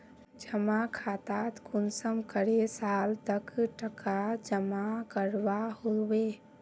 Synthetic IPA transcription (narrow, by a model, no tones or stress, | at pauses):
d͡ʒəmakʰat̪at̪kunsəmkəɾesaːlt̪əkʈəkad͡ʒəmakəɾʋaholʋe